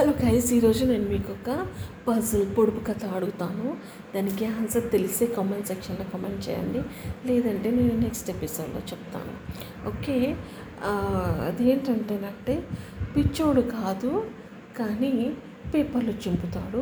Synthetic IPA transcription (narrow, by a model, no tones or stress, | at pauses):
ɐlukɐjɐsiːɾo̞ːd͡ʒune̞ːnumiːkɔkɐpɐzɐlpoɽupukɐt̪ʰɐɐɽuɡut̪aːnu | d̪aːnikiɦɐnsɐɾt̪e̞lise̞ːkɐmeɳʈsekʂɐnloːkɐmeɳɖ̚t͡ʃɛ̰ːjɐ̰ɳɖilɛːd̪ɐɳʈe̞ːne̞ːnune̞ksʈepiso̞ːɖlo̞̰ːt͡ʃepu̥t̪a̰ːnṵ | o̰ːke̞ː | ɐ̰d̪e̞ːɳʈɐɳʈeːnɐɳʈeːpit͡ʃːoːɽukaːd̪u | kaːni | peːpɐɾlut͡ʃumput̪aːɽu